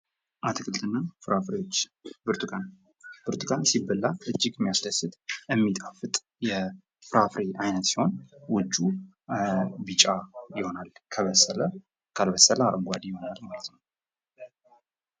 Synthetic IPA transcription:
ʔat̪ʰɨkʰɨlt̪ʰʼɨnːafɨɾafɾewot͡ʃːbɨɾt̪ʰɨkʼan | b̥ɨɾt̪ʰɨkʼansibəlːaʔɨd͡ʒːɪɡɛmːijasd̪asɨt̪ʼjɛmːit̪ʼafɨt̪ʼ | jɛ | fɨɾafɾeʔajnət̪siho̞nwʊd͡ʒːu | bɨt͡ʃʼajɪho̞nalkʰəβəsːələ | kʰalbəsːələaʔɡʷad̪ijɪho̞nalmalət̪nəw

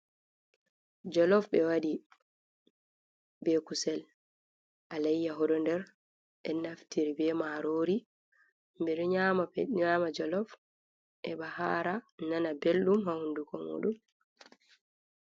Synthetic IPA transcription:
d͡ʒɔlɔfbɛwaɗi | bɛkusɛl | ʔalajːaɦɔɗɔndɛɾ | ʔɛnaftiɾibɛmaɾoːɾi | mbɛɗɔɲaːmaɲamad͡ʒɔlɔf | ʔɛɓahaːɾananabelɗumhahundukɔmṵːɗum

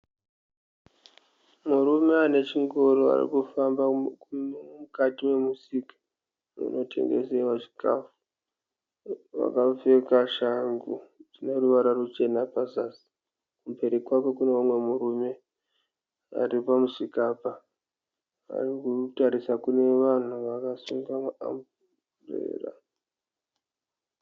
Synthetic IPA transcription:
murume̞ane̞t͡ʃiŋɡoɾoa̰rḭkufambaumukatiwe̞musikḁ | ṵno̞tʰe̞̰ŋɡḛsewaʐi̥ka̰fu̥ | ʋa̰kafe̞kaʃaŋɡutine̞ruʋaɾarut͡ʃe̞napazasi̥ | kupe̞ɾekwako̞kuneumwe̞muɾume̞ | a̰ripamuʂikapa | a̰rikutaɾisakune̞ʋan̤uʋakasuŋɡamaa̰mbu | rḛːra̰

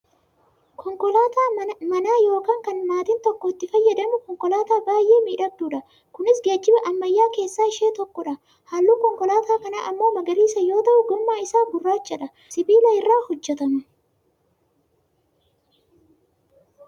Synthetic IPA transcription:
kʰɔŋkɔlaːt̪amɐnaːjo̞ːkaːŋkɐnmaːt̪ɪnt̪ɔkːɔɪt̪ːɪfɐjːɐd̪ɐmʊkɔŋkɔlaːt̪aːbaːjʔe̞ːmiːᶑɐɡ̚d̪uːᶑɐ | kʊnɪsɡeːd͡ʒːɪbɐʔɐmːɐjːaːke̞ːsːaːɪʃe̞ːt̪ɔkːɔᶑɐ | haːlːuːkɔŋkɔlaːt̪aːkɐna̰ʔɐmːo̞ːmɐɡɐɾiːsɐjo̞ːt̪ɐʔʊɡʊmːaːɪsaːɡʊrːaːt͡ʃːɛᶑɐ | sɪbiːlɐɪrːaːhɔd͡ʒːɛt̪ɐmɐ

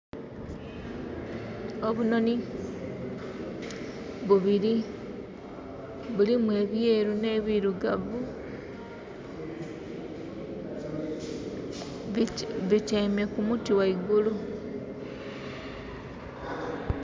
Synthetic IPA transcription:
o̞βuno̞ni | βuβiɾi | βulimwe̞ːβje̞ːɾune̞βiɾuɡavu | βit͡ʃeme̞kumutiwaiɡulu

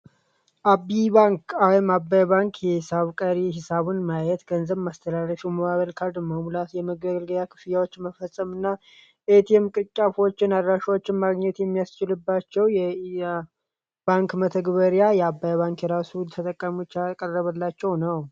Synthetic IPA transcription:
ʔabːiβaŋkawɛmabːajβaŋkʰjɛhɪsaβkʼəɾiɦɪsaβɨnmajɛt̪ɡənzəβmast̪ʰəlalːəʃiwməβaβəlkʰaɾd̪məmulat̪jɛməɡəɡəlɡəljakʰɨ̥fijawot͡ʃːməfəsʼəmɨnːa | ʔet̪ʰjɛmkʼɨkʼːafwot͡ʃːɪnad̪ɾaʃawot͡ʃːɪnmaɡɲɛt̪jɛmːijast͡ʃɪlɨbːat͡ʃːɛwjɛ | baŋkmət̪ʰəɡβəɾijajɛabːajβaŋkjɛɾasult̪ʰət̪ʼəkʼːəmut͡ʃːakʼərːəβəlːat͡ʃːɛwnəw

